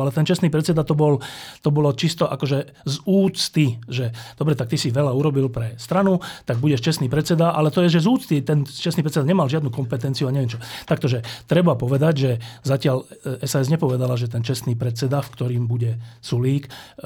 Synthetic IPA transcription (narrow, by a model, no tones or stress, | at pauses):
alɛt̪ɛnt͡ʃɛst̪niːpɾɛt̪t͡sɛd̪at̪ɔbɔlt̪ɔbɔlɔt͡ʃist̪ɔʔakɔʒɛ | zuːt͡st̪iʒɛd̪̥ɔbɾɛt̪akt̪isiʋɛlauɾɔbilpɾɛst̪ɾanut̪aɡ̚buɟɛʃt͡ʃɛst̪niːpɾɛt̪t͡sɛd̪aʔa̰lɛt̪ɔjɛʒɛzuːt͡st̪it̪ɛnt͡ʃɛsnipɾɛtt͡sɛd̪aɲɛmalʒɪad̪nukɔmpɛt̪ɛnt͡siuaɲɛʋɛmt͡ʃɔt̪ak̚t̪ɔʒɛt̪ɾɛbapɔʋɛd̪aɟʒɛzacɪalɛsaɛzɲɛpɔʋɛd̪alaʒɛt̪̬ɛnt͡ʃɛst̪niːpɾɛt̪t͡sɛd̪afkt̪ɔɾiːmbuɟɛsuliːk